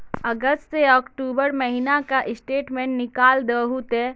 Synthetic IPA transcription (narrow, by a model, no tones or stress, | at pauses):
ɐɡəsʈseɔːkʈuːbəɾməɦinakaʔɪsʈeːʈmẽːɳʈnɪkaːld̪əɦut̪e